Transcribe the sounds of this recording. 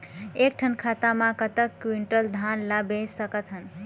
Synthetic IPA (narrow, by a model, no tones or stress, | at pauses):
ek̚ʈʰənkʰat̪amãkət̪əkːwiɳʈəld̪ʱanlabesəkət̪ɦən